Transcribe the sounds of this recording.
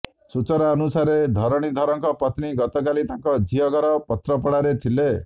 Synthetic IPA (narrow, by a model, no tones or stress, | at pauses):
sut͡ʃɔɾaːnusaɾed̪ʱɔɾɔɽ̃id̪ʱɔɾɔŋkɔpɔt̪niɡɔt̪ɔkalit̪aŋkɔd͡ʒiɔɡɔɾɔpɔt̪ɾɔpɔɽaɾet̪ʰile